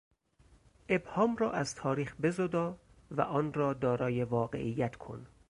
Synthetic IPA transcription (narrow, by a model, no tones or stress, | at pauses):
ʔe̞bhɒːmrɒːʔæzt̪ʰɒːɾiːxbe̞zod̪ɒː | væ̰ʔɒːnrɒːd̪ɒːɾɒːjevɒːɡe̞̰ʔijːæt̪ʰkʰo̰n